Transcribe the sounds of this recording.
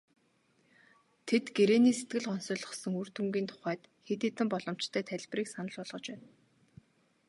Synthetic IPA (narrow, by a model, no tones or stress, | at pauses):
t̪ʰet̪ɡeɾeːniːset̪ɡɘ̆ɮɔnsʊːɮə̆χsɞ̆ŋur̥t̪umɡʲiːnt̪ʰʊ̥χæːt̪xet̪iːt̪ɘ̆mpɔɮɞ̆m̥t͡ɕt̪ʰœːt̪ʰæɮʲpriːksanə̆ɮpɔɮʁɞ̆t͡ɕpæːn